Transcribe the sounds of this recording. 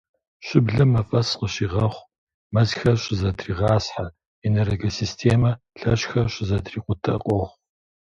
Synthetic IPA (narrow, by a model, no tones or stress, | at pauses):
ɕʷɪbɮɐmɐfɐsqəɕiːʁɐχʷ | mɐzxɐɕɪzɐtʰriːʁɑːsħa | enerɡosistʰeːmɐ | ɬɐɕxɐɕɪzɐtʰriːqʷʊtʰɐ̰qʷʼɔʁʷ